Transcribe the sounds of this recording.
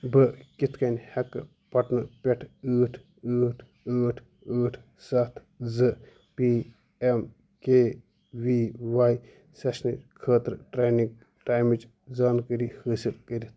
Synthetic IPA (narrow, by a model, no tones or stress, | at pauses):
bɨkit̪ʰkɐnʲhɐkːɨ̰ | pɐʈnɐpʲɛʈʰəːʈʰ | əːʈʰ | əːʈʰ | əːʈʰ | sɐt̪ʰ | zɨ | pi | em | keː | ʋiːʋaːj | sɐʃnikʰəːt̪ɾʈɾaːnik̚ | ʈaːjmit͡ʃ | zaːnkəɾihəːsilkəɾʲit̪ʰ